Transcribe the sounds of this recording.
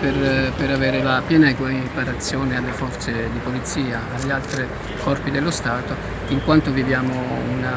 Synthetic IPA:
perpeɾavɛːɾelapjɛːnakpaɾat̪sːjɔːnealːefɔrt̪sed̪ipolit̪sːiːaːlːialt̪ɾi | kɔrpid̪elːost̪aːt̪o | iŋkwant̪ovivjaːmouna

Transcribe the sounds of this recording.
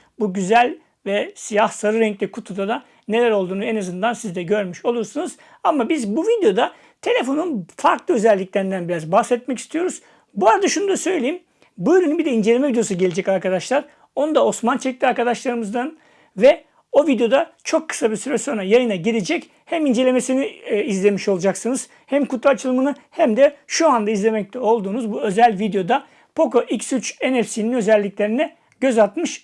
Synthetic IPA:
buɟyzælʲ | vɛsijahsaɾɯɾɛŋclʲikʰut̪ʰud̪ad̪a | ne̞lʲæɾo̞lˠd̪uːnuenazɯnd̪ansizd̪ɛɟø̞ɾmyʃo̞lˠuɾsɯnɯz | amːabizbuvid̪ejo̞d̪a | t̪ʰe̞lʲefo̞nunfaɾklˠɯø̞zɛlʲːicʲlʲeɾind̪ænbiɾazbahsɛt̪̚mɛcist̪ʰijo̞ɾuz | buaɾad̪aʃunud̪asø̞jlʲejim | buɾynynbid̪ɛind͡ʒeemɛvid̪jo̞suɟe̞lʲed͡ʒɛcaɾkad̪aʃlˠaɾ | o̞nud̪ao̞smant͡ʃʰɛc̚t̪ʰiaɾkad̪aʃlˠaɾɯmɯzd̪an | vɛ | ovid̪ejo̞d̪at͡ʃʰo̞kʰːɯ̥sabiɾsyɾɛso̞nɾajajɯnaɟid̪ed͡ʒɛc | hæmind͡ʒe̞lʲe̞me̞siniizlʲe̞miʃo̞lˠud͡ʒaksɯnɯz̥ | hæmkut̪ˠat͡ʃʰɯlˠmɯnɯhæmd̪ɛʃuand̪aizlʲe̞mɛc̚t̪ʰɛo̞lˠd̪uːnuzbuø̞zælʲvid̪ejo̞d̪a | pʰo̞koʔiksyt͡ʃenɛfsininø̞zɛlʲːiclʲe̞ɾinɛ | ɟ̥ø̞zalˠt̪mɯʃ

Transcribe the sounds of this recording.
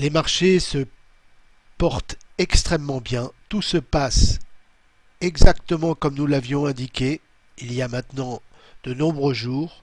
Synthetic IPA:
lemaʁʃesə | pɔʁt̪ɛkst̪χɛmːɑ̃bjɛ̃t̪usəpas | ɛɡzakt̪əmɑ̃kɔmnulavjɔ̃ɛ̃d̪ikʲe | ilijamɛ̃t̪nɑ̃d̪̥ənɔ̃bʁøʒuːʁ

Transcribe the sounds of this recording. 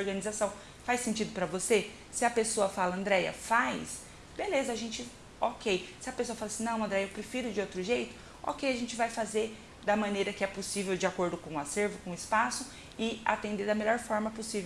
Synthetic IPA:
ɾɡɐ̃nizasɐ̃w̃ | fajsẽnt͡ʃid̪ʊpɾɐvose | sɪɐpesoɐfalɐɐ̃nd̪ɾɛjɐ̰fajs | belezɐaʒẽnt͡ʃɪ | okejsɪɐpesoɐfalɐsĩnɐ̃w̃ɐ̃nd̪ɾɛjɐewpɾefiɾʊd͡ʒɪowt̪ɾʊʒejt̪ʊ̥ | o̰kejaʒẽnt͡ʃɪvajfazeɾ | d̪ɐmɐ̃nejɾɐkɪɛposivewd͡ʒɪakoɾd̪ʊkõaseɾvʊkõʊɪspasʊ | ɪa̰t̪ẽnd̪eɾd̪ɐmeʎɔɾfɔɾmɐposive

